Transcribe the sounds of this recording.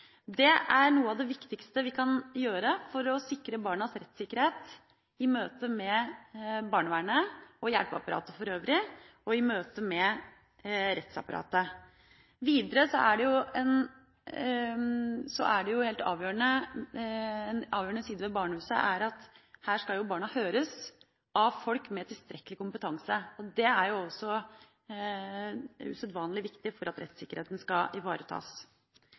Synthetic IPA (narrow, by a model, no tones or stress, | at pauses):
d̪ɛʔæɾɳuːəɑʋd̪ɛʋɪkt̪ɪkst̪əʋɪkʰɑnjøːɾəfɔɾɔsɪkːɾəbɑːɳɑsɾɛt̪ːsɪkːəɾheːt̪ | ɪmøːt̪əmɛ | bɑːɳəʋæːɳəɔjæɽpɑ̰pɑɾʔɑ̰ːt̪əfɔɾøːʋɾɪ | ɔɪmøːt̪əmɛ | ɾɛt̪sɑ̰pɑɾʔɑ̰ːt̪ə | ʋiːd̪əɾəsɔæɖɛjʊɛn | sɔ̰ʔæɖɛjʊheːlt̪ɑ̰ːʋjøːəɳə | ɛnʔɑːʋjøːəɳəsiːd̪əʋɛbɑːɳəhʉːsə̰ʔæɾɑt̪hæːʂkɑljʊbɑːɳɑhøːɾəs | ɑʋfɔlkmɛt̪ʰɪlst̪ɾɛkːəlɪkʊmpət̪ʰɑŋsəɔd̪ɛæɾjʊɔsːɔ | ʉ̰sœt̪ʋɑːnlɪʋɪkt̪ɪfɔɾɑt̪ɾɛ̰t̪sɪkːəɾeːt̪n̩skɑʔɪʋɑːɾət̪ʰɑ̰ːs